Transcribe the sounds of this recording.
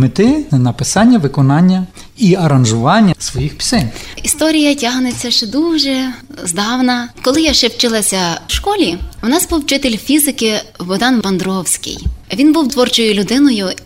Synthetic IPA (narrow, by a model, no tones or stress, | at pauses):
mɪt̪ɪnɐpɪsɑnʲːɐʋɪkɔnɑnʲːɐ | iɐɾɐnʒʊʋɑnʲːɐsʋɔjixpʲi̥sɛnʲist̪ɔɾʲijɐtʲaɦnet͡sʲːɐʃt͡ʃɛd̪uʒɛzd̪ɑwnɐkɔlˠɪjaʃt͡ʃɛwt͡ʃɪlˠɐsʲɐʃkɔlʲiwnɑzbuwt͡ʃɪt̪elʲfʲizɪkɪʋɔd̪ɑnʋɐnd̪ɾɔwsʲkɪ̰jʋʲinbuwt̪ʋɔrt͡ʃɔjʊlʲʊd̪ɪnɔjʊ